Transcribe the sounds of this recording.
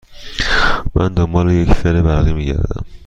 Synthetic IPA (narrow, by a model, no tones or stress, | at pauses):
mʔænd̪ombɒːlejecʰfeɾebæɾɣimiːɟæ̰ɾd̪æ̰m